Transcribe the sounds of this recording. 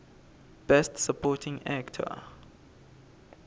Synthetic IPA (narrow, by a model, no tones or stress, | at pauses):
b̥ɛstsapʰɔtʰĩŋɛktʰɔ̰